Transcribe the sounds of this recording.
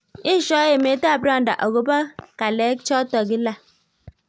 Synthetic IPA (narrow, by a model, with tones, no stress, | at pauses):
i˦ʃɔ˦je˨me˨˦ta˦˨ba˦˨n̩˨da̰˨ʔo˨ɡo˨ba˦ka˨le˨˦k̚t͡ʃɔ˦tɔ˨ɡi˦la˦˨